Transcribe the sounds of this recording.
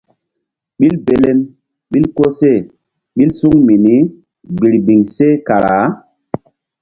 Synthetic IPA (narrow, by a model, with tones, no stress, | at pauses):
ɓi˦lbe˨le˦m | ɓi˦lko˦se˦˨ | ɓi˦lsu˦ŋmi˨ni˦ | ɡ͡bi˨ɾbi˨ŋse˦ka˨ɾaa˨˦